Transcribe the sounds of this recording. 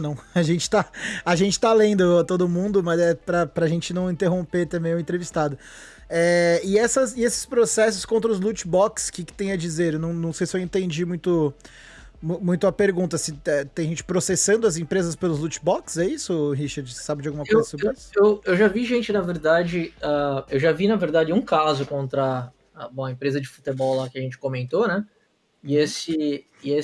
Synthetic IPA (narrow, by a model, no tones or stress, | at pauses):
nɐ̃w̃ɐʒẽnt͡ʃɪ̥t̪aɐʒẽnt͡ʃɪ̥t̪alẽnd̪ʊat̪od̪ʊmũnd̪ʊmɐzɛpɾɐpɾɐʒẽt͡ʃɪnɐ̃w̃ĩnt̪eɦõpeɾt̪ɐ̃mbẽj̃ʊ̃ẽnt̪ɾevist̪ad̪ʊ | ɛɪɛsɐsɪesɪ̥spɾosɛsʊskõnt̪ɾɐʊzlut͡ʃbɔkskɪkɪ̥t̪ẽj̃ɐd͡ʒizeɾewnɐ̃w̃nɐ̃w̃sejsɪewẽnt̪ẽnd͡ʒimũj̃t̪ʊ | mũmũj̃t̪ʊɐpeɾɡũnt̪ɐsɪɛt̪ẽj̃ɐʒẽnt͡ʃɪ̥pɾosesɐ̃nd̪ʊɐzẽpɾezɐspelʊzlut͡ʃbɔksɛisʊɦiʃaɾd͡ʒɪsɪ̥sabɪd͡ʒawɡumɐkeowzɐsobesewewʒaviʒẽnt͡ʃɪnɐveɾd̪ad͡ʒɪaewʒavinɐveɾd̪ad͡ʒɪũkazʊkõnt̪ɾɐ | ɐbõw̃ɐẽpɾezɐd͡ʒɪfu̥t̪ebɔwlakʲɪɐʒẽnt͡ʃɪ̥komẽnt̪onɛ | ɪesɪː | e